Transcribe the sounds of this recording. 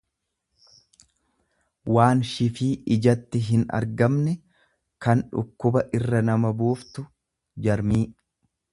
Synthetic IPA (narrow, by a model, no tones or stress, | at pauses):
waːnʃɪfiːʔɪd͡ʒɐt̪ːɪɦɪnɐ̰ɾɡɐmnɛ | kɐnᶑʊ̰kːʊbɐʔɪrːɐnɐmɐbuːft̪ʊ | d͡ʒɐɾmiː